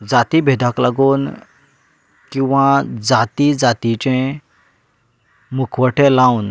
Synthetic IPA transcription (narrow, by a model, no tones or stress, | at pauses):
d͡zat̪ibʱed̪ʱaklaɡuːn | kĩw̃ʋãd͡zat̪id͡zat̪it͡ɕẽ | mukʰʋəʈʰẽlaun